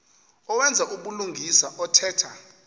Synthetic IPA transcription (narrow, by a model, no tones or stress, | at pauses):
ɔwɛnd͡zʱaʔuɓuluŋʱisaʔɔtʰɛːtʰa